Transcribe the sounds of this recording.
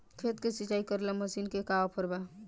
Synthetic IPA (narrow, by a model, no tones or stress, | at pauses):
kʰet̪kesit͡ʃaikəɾləməsinkekaopʰəɾba